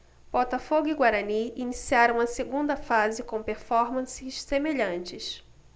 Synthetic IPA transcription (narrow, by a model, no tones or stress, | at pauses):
b̥ɔt̪ɐfoɡʊiɡwaɾɐniinisiaɾɐ̃mɐseɡũnd̪ɐfazɪkõpeɾfɔɾmɐ̃sɪʃsemeʎɐ̃nt͡ʃɪʃ